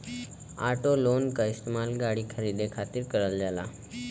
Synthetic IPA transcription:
aʈolonkaist̪emalɡaɽiːkʰəɾiːd̪ekʰat̪iːɾkəɾald͡zala̰

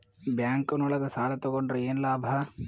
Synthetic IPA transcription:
bjaːŋkɐnɔɭɐɡɐsaːlɐt̪ɔɡoɳɖɾɐeːnlaːbʱɐ

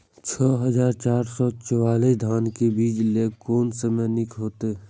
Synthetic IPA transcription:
t͡ʃʰɔːɦəzaːɾt͡ʃaːɾsɔːt͡ʃəwaːlid̪ʱaːnkebiːd͡ʒlekoːnsəmənɪkɦoːt̪e

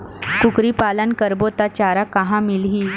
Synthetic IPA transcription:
kukɾiːpalənkəɾbot̪at͡ɕaɾakaɦãmilɦi

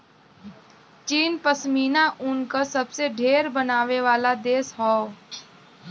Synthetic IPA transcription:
t͡ʃiːnpəsmiːnaʔʊnkasɐbseɖʱeːɾbənaːʋeʋaːlad̪eːsɦɔː

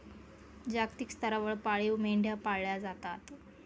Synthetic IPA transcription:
d͡ʑaɡt̪ikst̪əɾaʋəɭpaɭiwmeɳɖʱjapaɭjad͡zat̪at̪

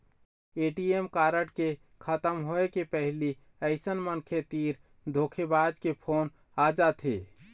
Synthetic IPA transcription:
eʈiemkaɾəʈke | kʰət̪əmɦoekepəɦli | əɪsənmənkʰet̪iɾ | d̪ʱokʰebad͡ʒkepʰon | ad͡ʒat̪ʰe

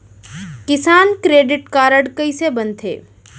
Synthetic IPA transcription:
kɪsaːnkɾeːɖɪʈkaːɾəɽkəisebənt̪ʰḛː

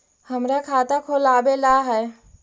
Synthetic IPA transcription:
həmɾakʰaːt̪akʰolaːbelaɦɛː

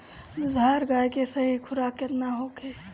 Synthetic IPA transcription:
d̪ʱaɾɡajkesəɦikʰuɾaket̪naɦokʰe

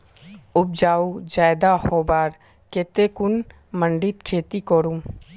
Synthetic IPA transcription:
ʊb̚d͡ʒaːud͡ʒaːjd̪ahoːbaːɾ | keːt̪ekʊn | mə̃ɳɖɪt̪kʰeːt̪ikoːɾum

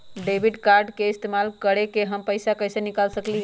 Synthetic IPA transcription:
ɖebʱiɖkaɾɖkeist̪emalkəɾekeɦəmpəɪsakəjsenikalsəkliɦ

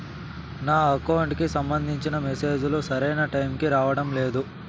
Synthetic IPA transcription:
naːɐkɐwɳʈkisɐmbɐnd̪ʱiɲt͡ʃinɐmɛse̞ːd͡ʒulusɐɾɐjnɐʈɐjmkiɾaːʋɐɽɐmle̞ːd̪u

